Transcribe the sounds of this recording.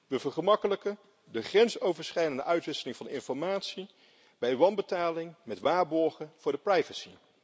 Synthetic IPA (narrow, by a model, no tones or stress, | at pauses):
ʋəvəɹχəmɑkələkə | dəχrɛnsowvəɹsχɛjdəndəʔœɥtʋɪsəlɪŋvɑnɪnfɔɹmaːtsi | b̥ɛjʋɑnbətaːlɪŋmɛtʋaːɹbɔɹχəv̥ʊːɹdəprɑjvəsḭ